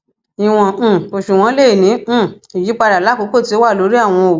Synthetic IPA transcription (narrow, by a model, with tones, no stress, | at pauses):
ĩ˨w̃ɔ̃˨o˨ʃu˨w̃ɔ̃˨˦le˦i˨nĩ˨˦˨i˨ji˨˦k͡pa˧da˨la˦ko˨˧˦ko˦˨ti˧˦o˦wa˦˨lo˧˦ɾi˦a˦˨w̃ɔ̃˧o˨˦